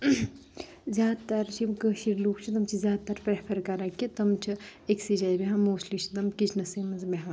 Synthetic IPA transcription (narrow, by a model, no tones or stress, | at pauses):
zʲjaːd̪t̪ɐɾt͡ʃʰimkəːʃiɾluːkʰt͡ʃʰit̪ɐmt͡ʃʰizʲjaːd̪̚t̪ːɐɾpɾepʰɐɾkaɾakit̪ɐmt͡ʃʰieksid͡ʒaːjbeɦãːmoːslit͡ʃʰit̪ɐmkit͡ʃʰnɐsiːmɐzmeɦã